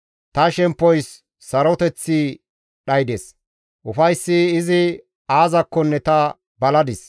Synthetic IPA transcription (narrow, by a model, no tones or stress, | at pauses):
t̪ɐʃɛmpːɔjsː | ɐɾɔt̪ɛt͡sːi | ɗɐjd̪ɛs | ʔʊfɐjsːɪːzɪ | aːzɐkːɔnːɛt̪ɐ | bɐlɐd̪ɪs